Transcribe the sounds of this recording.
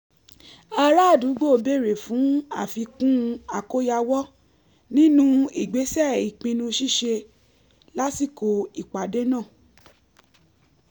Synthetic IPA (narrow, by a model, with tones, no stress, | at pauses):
a˧ɾa˦˨du˨˦ɡ͡bo˦˨be˦˨ɾe˨fũ˨˦a̰˦˨fi˧kũ˦a˨ko˦ja˧wɔ˦ | nĩ˦nũ˦i˦˨ɡ͡be˨˦sɛ˦˨i˨k͡pĩ˧nũ˧ʃi˦˨ʃe˧ | la˦si˦˨ko˧i˨k͡pa˨˦de˦nãː˦˨